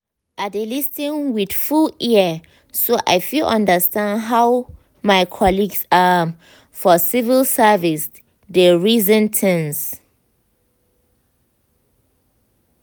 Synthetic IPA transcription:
ʔadelistĩnwid̥fuliə | soʔa̰jfilʔã̰ndəstãndɦaw | maɪkʰɔliɡsa | fɔsivilsavis | deɹizə̃ntʰɛ̃ns

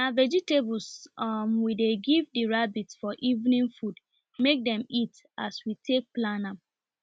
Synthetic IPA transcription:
navɛd͡ʒiteblsmwideɡivdiɹabitsfɔʔivnĩnfud | mek̚dɛ̃mit | aswitʰek̚plana

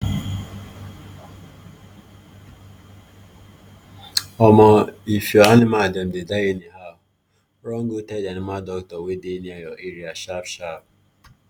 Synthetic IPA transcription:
ɔmɔifjɔanɪmadɛm̩dedaeniɦaʊ | ɾɔŋ̩ɡotɛdanɪmadɔktɔwedeniajɔʔeɾiaʃapʃap̚

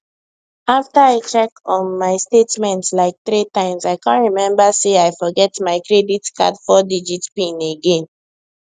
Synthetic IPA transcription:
aftaaɪt͡ʃɛkɔ̃nmaɪstetmɛ̃ntslaɪk̚θɹitãɪ̃mzaɪkãntɹimɛ̃mbaseaɪfɔɡɛtmaɪkɹɛditka̰dfɔdid͡ʒitpĩneɡẽn

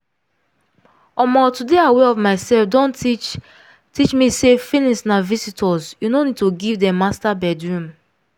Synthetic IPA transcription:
ɔmɔtudeaweɔvmaɪsɛlfdɔ̃n | tit͡ʃmisefilĩsnavisitʰɔzjunonid̚toɡivdɛ̃mastabɛdɹũm

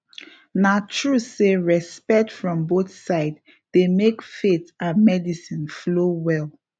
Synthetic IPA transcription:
natʰɹuseɹɛspɛk̚tfɹɔ̃mboθsaɪd | demekfetãnmɛdisĩnflowɛl

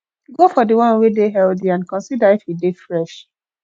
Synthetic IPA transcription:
ɡofɔdiwɔ̃nwedeɦɛldiãnkɔ̃nsidaifhidefɹɛʃ

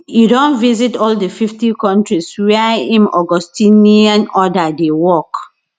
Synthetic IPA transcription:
judõnvizitɔldəfiftikɔ̃ntɹiswɛĩmɔɡɔstĩniãnɔdadewɔk

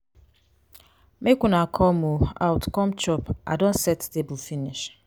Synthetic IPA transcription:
mekunakʰɔmua̰wtkɔmt͡ʃɔpʔa̰dõnsɛttebʊfiniʃ

